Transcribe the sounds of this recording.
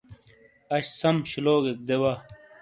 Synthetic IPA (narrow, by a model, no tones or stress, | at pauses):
ɐɕsɐmɕiloːɡek̚d̪ewa